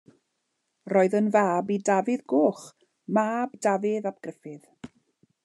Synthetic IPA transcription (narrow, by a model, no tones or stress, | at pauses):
rɔːɨðənvaːbidavɪðɡoːχ | maːbdavɪðab̚ɡ̥rɪfɪð